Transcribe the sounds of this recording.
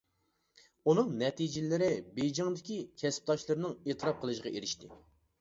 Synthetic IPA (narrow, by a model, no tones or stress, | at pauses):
unɨŋnɛt̪ʰid͡ʒɪlɪɾɪbejd͡ʒɑŋd̪ɪkʲikʲʰɛsp̚t̪ʰɑʃlˠɨɾnɨŋet̪ʰɨɾɑp̚qʰəlˠɨʃʁɑeɾɪʃt̪ɪ